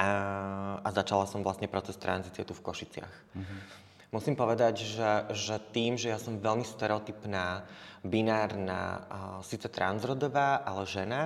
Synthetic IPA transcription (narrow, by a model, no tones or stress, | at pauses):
a | azat͡ʃalasɔmvlasɲɛpɾɔt͡sɛst̪ɾanzit͡sɪɛt̪ufkɔʃit͡sɪa̰x | musiːmpɔʋɛd̪aɟʒɛʒɛt̪iːmʒɛjasɔmʋɛlmist̪ɛɾɛɔt̪ipnaːbinaːɾna̰ːsiːt͡sɛt̪ɾa̰nzɾɔd̪ɔʋaːʔalɛʒɛna